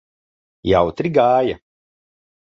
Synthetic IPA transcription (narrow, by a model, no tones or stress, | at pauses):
jawt̪ɾiɡaːja